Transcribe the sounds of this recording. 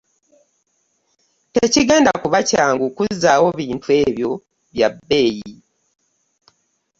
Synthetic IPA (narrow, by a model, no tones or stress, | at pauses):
teciɡe̞ːndakuβacaːŋɡukuzaːwo̞βiːntue̞ːβjo̞ | βjabːe̞ːji